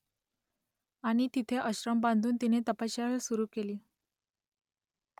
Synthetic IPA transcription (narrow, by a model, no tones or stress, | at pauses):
aɽ̃it̪it̪ʰeʔəɕɾəmbãnd̪ʱuːnt̪inet̪əpaɕjaɭəsuɾuːkeliː